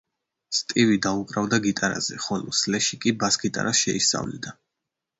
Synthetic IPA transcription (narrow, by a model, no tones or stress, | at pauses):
st̪ʼivid̪aukʼɾavd̪aɡit̪ʼaɾa̰zɛ̰χɔlɔ̰slɛʃikʼibasɡit̪ʼa̰ɾasʃɛisa̰vlɛ̰d̪a